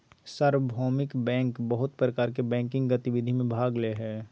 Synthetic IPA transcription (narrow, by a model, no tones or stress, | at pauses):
səɾwbʱɔːmɪkbɛ̃ːŋkbəɦʊt̪pɾəkaːɾk̬ebɛ̃ːŋkɪ̃ŋɡɡɐt̪ɪʋɪd̪ʱimẽbʱaːɡleɦɛː